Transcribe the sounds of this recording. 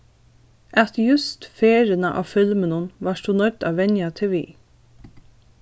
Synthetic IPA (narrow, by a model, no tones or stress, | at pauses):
ʔɑt̪jʉst̪feːɾənəʔɑ̰ːfʏlmənʊnʋɑːʃuːnœd̪ɑːʋɛɲjɑt̪ʰeʋḭː